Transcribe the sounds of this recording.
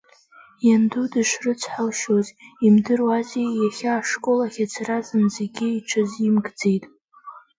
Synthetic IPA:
jandudɨʃʷrɨt͡sʰħalʃozimdɨrazejaχʲaːʂkʼo̞laχʲat͡sʰrazɨnzeɡʲɪiʈ͡ʂʰɨzimɡd͡ze̞jtʼ

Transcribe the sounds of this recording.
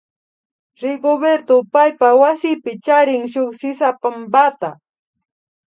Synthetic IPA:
ɾɪɡobeɾt̪opajpawasɪpɪt͡ʃaɾɪŋʃoχsɪsapambat̪a

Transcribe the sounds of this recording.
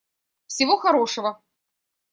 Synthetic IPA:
fsʲɪvoxɐɾoʂəvə

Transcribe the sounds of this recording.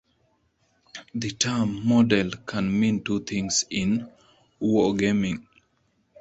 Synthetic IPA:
d̪itʰamːɔdɛlkʰãnmĩntut̪ʰĩŋsĩn | uwəɡemĩŋ

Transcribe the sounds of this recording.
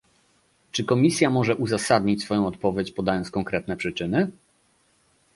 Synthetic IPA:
t͡ʂɘkɔmʲisʲjamɔʐɛʔuzasad̪ɲit͡ɕʲsfɔjɔ̃w̃ɔt̪̚pɔvʲjet͡ɕpɔd̪ajɔnskɔŋkɾɛt̪̚nɛpʂɘt͡ʂɘnɘ

